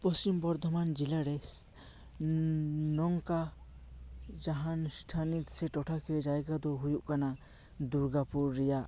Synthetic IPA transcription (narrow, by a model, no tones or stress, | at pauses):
pɔst͡ʃimbɔɾd̪ʱɔmand͡ʒilaɾɛs | nɔŋka | d͡ʒaɦansʈʰanit̪sɛʈɔʈʰakɛd͡ʒajɡad̪ɔɦujuʔkana | d̪uɾɡapuɾːɛjaʔ